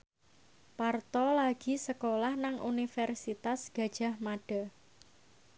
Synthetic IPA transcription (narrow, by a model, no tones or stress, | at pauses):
part̪ɔlaɡ̥i̤səkolahnaŋṵnifɛrsit̪asɡ̥a̤d̥ʒ̥a̤hmaɖ̥a